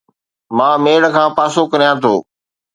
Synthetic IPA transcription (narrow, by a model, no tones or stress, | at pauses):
mãːmeːɽə̆kʰãːpaːsokɐɾijãːt̪ʰo̰ː